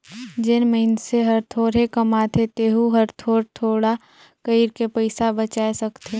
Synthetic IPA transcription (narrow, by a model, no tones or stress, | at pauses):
d͡ʒɪnməɪnseɦɐɾt̪ʰoːɾekɐmat̪ʰet̪eɦuɦɐɾt̪ʰoːɾt̪ʰoːɽa | kəɪɾkepəɪsabət͡ʃaːesɐkt̪ʰe